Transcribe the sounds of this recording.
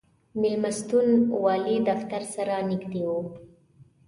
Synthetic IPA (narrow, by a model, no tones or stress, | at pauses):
mɪlmast̪unwɑlid̪aft̪aɾsaɾaniɡd̪ewo